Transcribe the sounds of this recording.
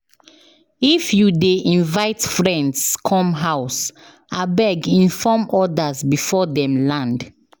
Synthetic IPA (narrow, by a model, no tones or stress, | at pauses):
ifjudeʔĩnvaɪtfɹɛ̃ndskʰɔ̃mɦaʊs | abɛɡĩnfɔmɔdəzbifɔdɛ̃mlãnd